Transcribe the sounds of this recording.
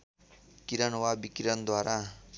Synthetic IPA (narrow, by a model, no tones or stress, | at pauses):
kiɾʌnwabikiɾʌnd̪waɾa